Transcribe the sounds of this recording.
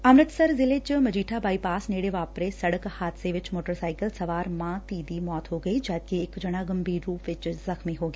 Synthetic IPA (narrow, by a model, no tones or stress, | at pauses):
ɐmɾət̪sɐɾzɪleːt͡ʃmɐd͡ʒiːʈʰabaːipaːsneːɽeʋaːpɾesɐɽəkhaːt̪seʋɪt͡ʃmoːʈəɾsaːɪkəlsɐʋaːɾmãːt̪iːd̪imɔːt̪ɦoːɡɐid͡ʒaːkeɪkd͡ʒɐɽ̃aːɡɐmbʱiːɾːuːpʰʋɪt͡ʃzɐxmiɦoːɡɐeː